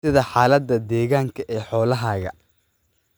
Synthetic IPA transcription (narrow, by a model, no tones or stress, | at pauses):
ɪðɐħaːlɐd̪ːɐd̪ɛːɣaːŋkʰɐʔɛːħɔːlɐɦaːɣɐ̰